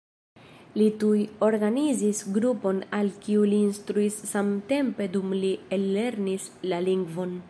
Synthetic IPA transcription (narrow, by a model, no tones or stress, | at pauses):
litujo̞ɾɡanizisɡɾupo̞nalkiuliːnstɾuisːamte̞mpe̞dumlielːe̞ɾnis | laliŋɡvo̞n